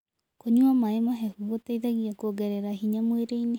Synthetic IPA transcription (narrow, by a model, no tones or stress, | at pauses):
koɲuamaemaɦɛhuɣotaiðaɣiakoɡɛɾɛɾahiɲamweɾeine